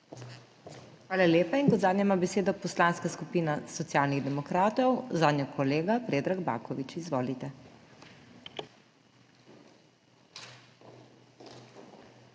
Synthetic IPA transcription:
xʋaːlaleːpainkɔd̪zaːd̪nɲɛmabɛseːd̪ɔpɔslaːnskaskupiːnasɔt̪sjaːlniɣd̪ɛmɔkɾaːt̪ɔwzaːd̪njɔkʰɔleːɡapɾeːd̪ɾaɡba̰kɔʋit͡ʃizʋoːlit̪ɛ

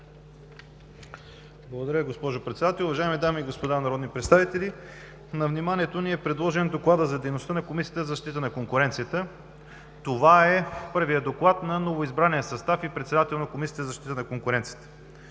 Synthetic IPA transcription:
blˠɡod̪ɐɾʲəiɡospɔʒopɾɛt̪sɛd̪at̪ɛlˠʊvɐʒaɛmid̪amiːɡospod̪anɐɾɔd̪nipɾɛt̪st̪avit̪ɛli | nɐvnimanʲiɛt̪oniɛpɾɛd̪lˠɔʒɛnd̪oklˠad̪əzɐd̪ɛjnost̪ənɐkomisijət̪əzzɐʃt̪it̪ənɐkoŋkʊɾɛnt̪sijət̪ə | t̪ovaɛpɤɾvijəd̪oklˠat̪nɐnovoizbɾanijəsɐst̪afipɾɛt̪sɛd̪at̪ɛlˠnɐkomisʲiət̪əzɐʃt̪it̪ənɐkoŋkʊɾɛnt̪sijə̥t̪ə̥

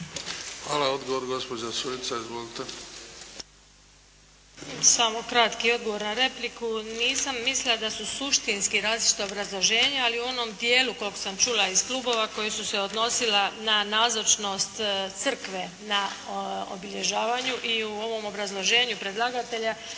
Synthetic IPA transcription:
xʋaːlaod̪ɡoʋoɾɡospod͡ʒasunit̪saizʋolit̪e | samokɾat̪kio̞d̪ɡoʋo̞ɾnaɾe̞plikuniːsamːislilad̪asusuʃt̪inskiɾaːzlit͡ʃi̥t̪aobɾazlˠo̞ʒe̞ːɲaaliuo̞no̞md̪je̞ːluko̞lko̥samt͡ʃuːlaiz̥kluːbo̞ʋako̞jesuse̞o̞d̪no̞silananaːzot͡ʃno̞st̪t̪sr̩kʋe̞ | nao̰biʎe̞ʒaːʋaɲuʔiuo̞ʋo̞mo̞bɾazlˠo̞ʒe̞ːɲupɾe̞d̪lˠaɡat̪e̞ʎa

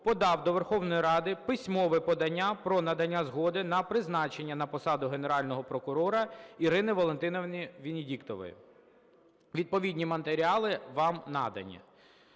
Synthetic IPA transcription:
pɔd̪ɑwd̪ɔʋerxɔwnɔjiɾɑd̪ɪpɪsʲmɔʋɪpɔd̪ɐnʲːapɾɔnɐd̪ɐnʲːazɦɔd̪ɪnɐpɾɪznɑt͡ʃe̞nʲːɐnɐpɔsɑd̪ʊɦeneɾɑlʲnɔɦɔpɾɔkʊɾɔɾɐiɾɪnɪʋɔlˠent̪ɪnɔʋnʲiʋʲinʲɪdʲikt̪ɔʋɔ̰jʊ̰ | ʋʲid̪̚pɔʋʲidʲnʲimɐnt̪eɾʲiɑlˠɪʋɑmnɑ̰d̪ɐ̰nʲːɐ̰

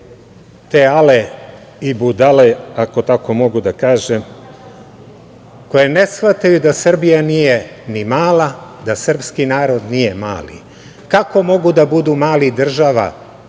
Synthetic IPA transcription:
t̪eale | ibud̪aleako̞t̪ako̞mo̞ɡud̪akaːʒem | ko̞jenesxʋat̪ajud̪asr̩bijanijenimaːlad̪asr̩pskinaːɾo̞d̪nije̞ma̰ːlḭ | kako̞mo̞ɡud̪abud̪umaːlid̪r̩ʒaʋa̰

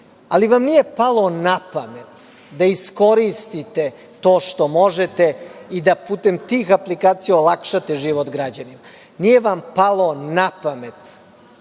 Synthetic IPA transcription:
a̰liʋamnije̞palˠo̞napame̞t̪ | d̪aisko̞ɾist̪it̪e̞ | t̪o̞ːʃt̪o̞mo̞ʒet̪eid̪apuːt̪e̞mt̪iːxaplikaːt̪sijaolakʃat̪eʒiʋot̪ɡɾad͡ʑanima | nije̞ʋampalˠonapame̞t̪

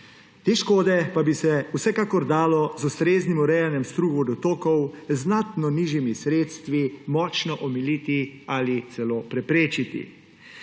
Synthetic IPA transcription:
t̪eːʃkoːd̪ɛpabisɛusɛkakɔɾd̪aːlɔzust̪ɾeːznimɔɾɛjanjɛmst̪ɾuːɣud̪ɔt̪oːkɔwznat̪nɔniːʒimisɾeːt̪st̪ʋimɔːt͡ʃnɔʔɔmiliːt̪ialit̪sɛloːpɾɛpɾeːt͡ʃit̪ḭ

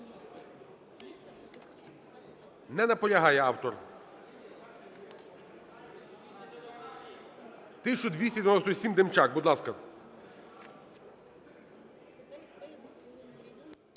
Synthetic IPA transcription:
nɛnɐpɔlʲɐɦɑjɛɑwt̪ɔr | t̪ɪʃt͡ʃɔd̪ʋʲisʲɛd̪ʲʋenɔsɔsʲimd̪emt͡ʃak̚bud̪lˠɑskɐ

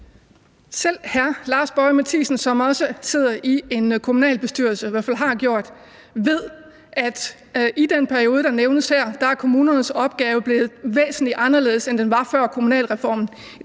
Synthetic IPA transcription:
sel̰hæɐlɑ̈ːsb̥ɒɪmæt͡sʰḭːsn̩sɒ̽mɒ̽səse̝ð̞̰ˠɐʔie̝nkʰo̝munɛ̰ːlb̥e̝sd̥yːɐ̰lsəʋæɐfælɦɑ̈ɡ̥jo̝ɐ̰d̥ | ʋe̝ð̞̰ˠ | ʔæd̥ | ʔid̥enpʰæɐio̝ːðˠəd̥ɑ̈neʊnəshæɐ̰d̥ɑ̈æɐkʰo̝muːnɐnəsɒ̽b̥̚ɡ̥ɛːʊəb̥le̝ːð̞̩ˠʋḛːsn̩lid̥ɑ̈nɐle̝ːsend̥enʋɑ̈fɶɐ̰kʰo̝munɛ̰ːlʁɛfɒ̰ːmn̩

